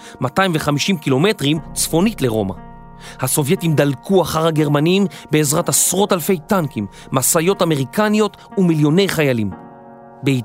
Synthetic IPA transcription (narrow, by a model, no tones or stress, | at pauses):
mataimveχamiʃimkilo̞me̞tʁimt͡sfo̞nitle̞ʁo̞̰ma̰ | haso̞vjetimd̪alkʰuaχaʁaɡeʁmanimbe̞ːzʁatasʁo̞talfe̞jtankimːasajo̞tameʁikanijo̞t | umiljo̞ne̞jχajalim | bei